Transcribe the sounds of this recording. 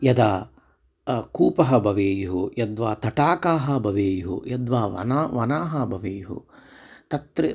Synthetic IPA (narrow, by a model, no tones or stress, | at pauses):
jɐd̪aː | kuːpɐɦɐbʱɐʋeːjuɦujɐd̪ʋaːt̪ɐʈaːkaːɦɐbʱɐʋeːjuɦṵjɐd̪ʋaːʋɐ̰naʋɐnaːɦɐbʱɐʋeːjuɦṵ | t̪ɐt̪ɾe